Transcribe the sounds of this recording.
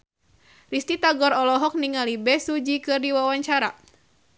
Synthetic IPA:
rist̪it̪aɡɔɾɔlɔɦɔk̚niŋalibɛsud͡ʒikɨrdiwawaɲt͡ʃaɾa̰

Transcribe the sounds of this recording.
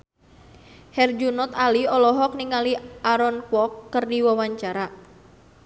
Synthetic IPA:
hɛrd͡ʒunɔt̪aliɔlɔɦɔk̚niŋaliʔaɾɔnkwɔkːərdiwawaɲt͡ʃaɾa

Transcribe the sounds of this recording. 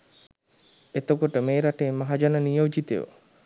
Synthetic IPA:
et̪okoʈəmeːɾaʈeːmːaɦad͡ʒanənijəwd͡ʒit̪ḛʋo̰

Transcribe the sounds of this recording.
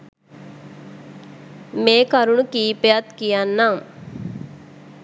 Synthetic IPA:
mẽːkɐɾuɳukiːpejat̪kijanːam

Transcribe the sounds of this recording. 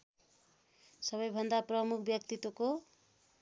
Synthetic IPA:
sʌβʌjbʱʌnd̪aprʌmukʰbjʌk̚t̪it̪woko

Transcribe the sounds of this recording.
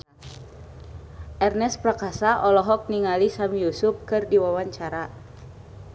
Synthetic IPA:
ʔɛrnɛspɾakasaʔɔlɔɦɔk̚niŋalisamijusʊp̚kɨrdiwawaɲt͡ʃaɾa

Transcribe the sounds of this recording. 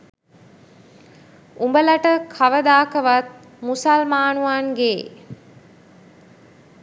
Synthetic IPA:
umbəlaʈəkʰaʋəd̪aːkəʋat̪̚ | musalmaːnuʋaːnɡeː

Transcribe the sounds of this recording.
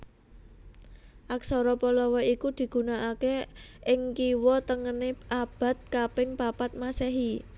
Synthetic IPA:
ʔak̚sɔɾɔpɔlɔwɔikud̪̥i̤ɡ̥ṳnaʔakeɪŋkiwɔt̪əŋəneʔab̥ä̤t̪̚kapɪŋpapat̪̚maseɦi

